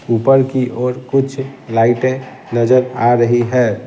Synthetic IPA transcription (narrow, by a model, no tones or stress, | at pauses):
upəɾkiʔoːɾkʊt͡ʃʰlaɪʈẽ | nəd͡ʒəɾaɾəɦiɦɛː